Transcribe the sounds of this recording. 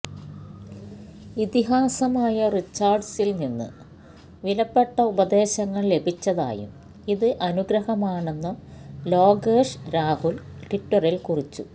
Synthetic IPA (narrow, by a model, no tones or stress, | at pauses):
it̪iɦaːsɐmaːjɐrit͡ɕːaːrɖsilninːɨ̰ | ʋilɐpːe̞ʈːɐubɐd̪e̞ːɕɐŋːɐɭle̞bʱit͡ɕːɐða̰ːjṵm | iðɨʔɐnuɡɾɐhɐmaːɳe̞nːɐlo̞ːɡeːʂɾaːhulʈiʈːɐrilkurit͡ɕːṵ